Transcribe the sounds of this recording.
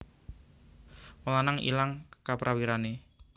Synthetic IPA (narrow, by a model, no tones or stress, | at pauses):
məlanaŋḭlaŋkapɾʔawiɾane